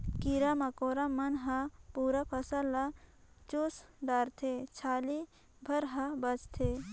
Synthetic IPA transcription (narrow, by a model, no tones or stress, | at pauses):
kiɾɐmɐkoːɾamːɐnɦɐpuːɾapʰɐsəlːat͡ʃosɖaːɾt̪ʰet͡ʃʰaːli | bʱɐɾɦɐbət͡ʃt̪ʰe